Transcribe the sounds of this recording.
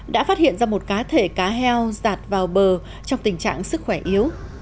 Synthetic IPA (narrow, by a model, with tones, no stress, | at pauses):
ɗa̰ː˧˥faː˦˥t̚hḭ˧˨ənzaː˧mo˨˩t̚kaː˨˦t̪ʰe˧˩kaː˨˦ɦɛ˧wzaː˨˩t̚vaː˨˩wɓəː˨˩ | t͡ɕɔ˧wŋ͡mt̪ï˨˩ŋ̟t͡ɕa̰ː˧˨ŋsɨ˦˥k̚xwɛ˧˩ʔi˨˦əw